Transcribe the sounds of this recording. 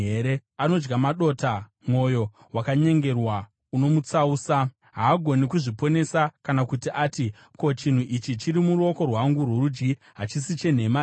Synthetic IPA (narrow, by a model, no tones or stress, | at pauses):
eɾeano̞d͡ʒɡamaɗo̞ta | mwo̞jo̞ | wakaɲe̞ŋɡe̞rwa | uno̞mut͡sauːsa | ɦaːɡʱo̞nikuʐipo̞ne̞sakanakutiʔaːti | ko̞t͡ʃin̤uʔit͡ʃit͡ʃiɾimuɾuo̞ko̞rwaŋɡurworud͡ʒɡi | ɦat͡ʃisit͡ʃe̞n̤e̞ma